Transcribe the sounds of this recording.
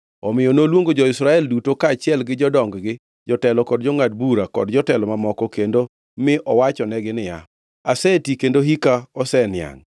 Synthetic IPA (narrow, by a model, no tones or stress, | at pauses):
ɔmɪjɔnolwoŋɡod͡ʒɔɪsɾaɛldutokaːt͡ʃɪɛlɡɪd͡ʒɔdɔŋɡɡɪ | d͡ʒɔtɛlɔkɔdd͡ʒɔŋad̚buɾakɔ̰dd͡ʒɔtɛlɔmamɔkɔkendo | mɪʔɔwat͡ʃɔnɛɡɪnɪja̰ | asɛtikendoɦikaɔsɛnja̰ŋ